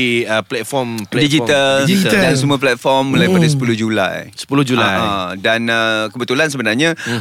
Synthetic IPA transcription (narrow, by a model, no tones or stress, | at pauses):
iəplɛt̪̚fɔmpɛdid͡ʒit̪ald͡ʒiasumuəplɛt̪̚fɔrmːulajpadasə̥puluhd͡ʒula̰jsə̥pulʊd͡ʒulajadanəkəbət̪ulansəbənarɲã